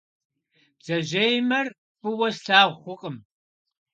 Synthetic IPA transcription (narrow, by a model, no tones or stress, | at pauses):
d͡zɐʒejmɐr | pɨwɐsɬaːwχʷʊqʼəm